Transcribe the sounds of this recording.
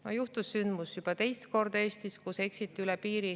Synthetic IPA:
ojuht̪usːynd̪musjub̥ɑt̪e̞jst̪ko̞rd̪̥ɑe̞ːst̪iskuse̞ksit̪ːˑiylɛpiːɾi

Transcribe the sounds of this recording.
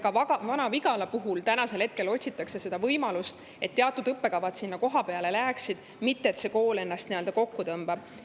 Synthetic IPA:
kɑvɑɑvɑnɑviɡɑlɑpuɦult̪ænɑse̞lhe̞t̪̚ke̞lo̞tʲsit̪ːˑɑkse̞se̞d̪̥ɑvɤjmɑlust̪ | e̞t̪ːeɑt̪ːˑud̪ɤpːe̞kɑvɑt̪sinːɑko̞ɦɑpe̞ɑle̞læːksid̪̥ | mit̪ːe̞ːt̪se̞ko̞ːle̞nːɑst̪niøld̪ɑko̞kːut̪ɤmb̥ɑb̥̚

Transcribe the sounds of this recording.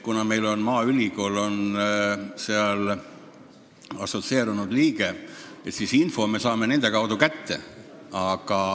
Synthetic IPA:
kunɑme̞jlo̞nmɑːylʲiko̞ːlo̞n | seɑl | ɑ̰so̞t̪se̞ːɾunud̪̥liːɡe̞et̪sisinfo̞me̞sɑːme̞ne̞nd̪̥e̞kɑwd̪̥ukæt̪ːe̞̰ɑɡ̥ɑ

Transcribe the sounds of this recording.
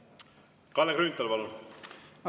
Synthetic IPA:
kɑlːekɾynt̪ːɑlpɑlun

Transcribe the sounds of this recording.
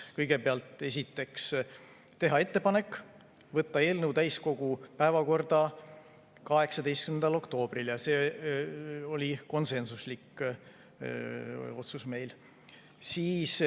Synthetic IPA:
kɤjɡ̥e̞peɑlt̪ːˑe̞sʲit̪ːˑe̞ks | t̪e̞ɦɑe̞t̪ːe̞pɑne̞kːˑ | vɤt̪ːɑe̞ːlnəwt̪æjsko̞ɡ̥upæevɑko̞rd̪̥ɑ | kɑɦe̞ksɑd̪e̞jst̪̚kynd̪ɑlo̞kt̪o̞ːb̥riljɑse̞ː | o̞lʲiko̞nse̞nsuslikː | o̞t̪susme̞jl | siːs

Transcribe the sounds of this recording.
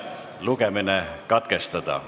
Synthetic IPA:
lukeminekɑt̪kest̪ɑt̪ɑ̰

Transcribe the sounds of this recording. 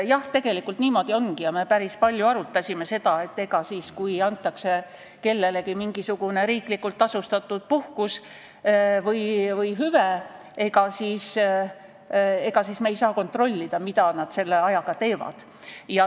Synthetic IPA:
jɑht̪e̞ɡ̥e̞likːˑult̪niːmo̞d̪̥io̞nɡijɑme̞pæɾispɑlʲjuɑɾut̪ːˑɑsʲime̞se̞d̪̥ɑe̞t̪ːe̞ɡ̥ɑsiːskujɑnt̪ːˑɑkse̞ | ke̞lːe̞le̞kimiŋɡ̥isuɡ̥une̞ɾiːklikːˑult̪ːˑɑsust̪ɑt̪ːˑud̪̥̚puhkus | vɯjvɯjɦyve | e̞ɡɑsiːs | e̞ɡ̥ɑsiːsmeejsɑːko̞nt̪ro̞lʲːid̪̥ɑmit̪ɑnɑd̪̥se̞lːe̞ɑjɑɡ̥ɑt̪e̞ːvɑ̰d̪̥ | jɑ

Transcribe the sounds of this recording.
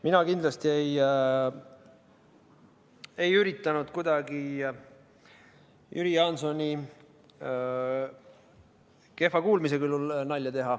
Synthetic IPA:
minɑkind̪lɑst̪iej | e̞jyɾit̪ːˑɑnud̪̥kud̪̥ɑɡi | jʔyɾiɑnsonʲi | ke̞fɑkuːlmis̬e̞kylːulnɑlʲjɑt̪e̞ɦɑ

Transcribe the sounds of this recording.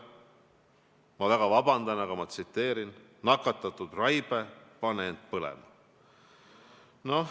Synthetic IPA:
mɑvæɡ̥ɑvɑbɑnd̪̥ɑnɑɡɑmɑt̪sit̪ːe̞ːɾin | nːɑkːˑɑt̪ːˑɑt̪ːˑud̪rɑjb̥epɑneend̪̥̚pɤlɛ̰mɑ | no̞

